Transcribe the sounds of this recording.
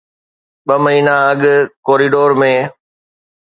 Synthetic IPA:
ɓəməɦiːnaəɠkoːɾiːɖoːɾmẽː

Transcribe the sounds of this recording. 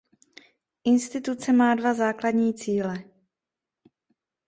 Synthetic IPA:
ʔɪnst̪ɪt̪ut͡sɛmaːdvazaːkladɲiːt͡siːlɛ

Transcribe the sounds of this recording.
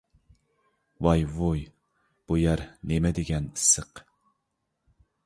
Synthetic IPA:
wɑjvuj | b̥ujæɾnemɛd̪ɪɡʲɛnɨsːəq

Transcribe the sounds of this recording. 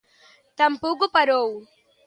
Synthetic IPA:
t̪ɐmpuɡupɐɾoːwu

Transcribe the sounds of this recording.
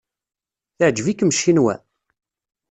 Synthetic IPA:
θəʕd͡ʒəvikːəmʃːinwæ̰

